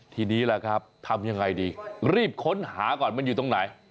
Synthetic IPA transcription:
t̪ʰiː˧niː˦˥la˧˩kʰɾa˦˥p̚t̪ʰa˧mja˧ŋːa˧jdiː˧ɾiː˥˩p̚kʰo˦˥nhaː˩˦kɔː˨˩nma˧˨njuː˨˩t̪o˧˩ŋna˨˩˦j

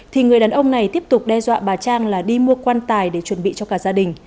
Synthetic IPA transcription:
t̪ʰi˨˩ŋɨ˨˩əjɗaː˨˩nʔə˧wŋ͡mna˨˩jt̪i˦˥əp̚t̪ʊ˨˩k͡p̚ɗɛ˧zwa̰ː˧˨ɓaː˨˩t͡ɕaː˧ŋlaː˨˩ɗi˧mu˧əkwaː˧nt̪aː˨˩jɗe˧˩t͡ɕwə˧˩nɓḭ˧˨t͡ɕɔ˧kaː˧˩zaː˧ɗï˨˩ŋ̟

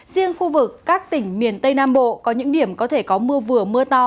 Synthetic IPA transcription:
zi˧ənxu˧vɨ˨˩kːaː˦˥k̚t̪ï˧˩ŋ̟mi˨˩ənt̪ə˧jnaː˧mɓo̰˧˨kɔ˨˦ɲɨ̰˧˥ŋɗi˧˩əmkɔ˨˦t̪ʰe˧˩kɔ˨˦mɨ˧əvɨ˨˩əmɨ˧ət̪ɔ˧

